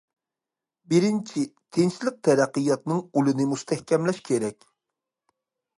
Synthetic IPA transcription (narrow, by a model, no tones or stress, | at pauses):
bɪɾɪnt͡ʃʰit̪ʰenʃlɪk̚t̪ʰɛɾæqːɨjɑt̪nɨŋulɨnɨmust̪ʰɛhkʲɛmlɛʃkʲʰeɾɛkʲ